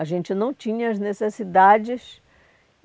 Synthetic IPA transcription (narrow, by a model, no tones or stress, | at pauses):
ɐʒẽnt͡ʃɪnɐ̃w̃t͡ʃĩɲɐɐznesesid̪ad͡ʒɪs